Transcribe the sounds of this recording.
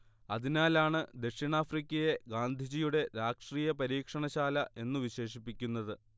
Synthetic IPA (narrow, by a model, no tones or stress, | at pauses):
ɐðinaːlaːɳɨd̪eʂiɳaːfrikʲːɐje̞ɡaːnd̪ʱid͡ʑijuɽe̞ɾaːʂriːjɐpɐɾiːkʂɐɳɐɕaːlɐʔe̞nːuʋiɕe̞ːʂipːikʲːunːɐðɨ